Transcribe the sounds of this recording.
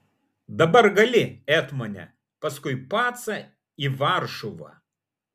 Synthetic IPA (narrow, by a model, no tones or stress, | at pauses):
d̪ɐbɐrɡɐlʲɪɛt̪mɐnʲɛ̰ | pɐskʊjpat̪sɐ | iʋarʃʊʋɐ̰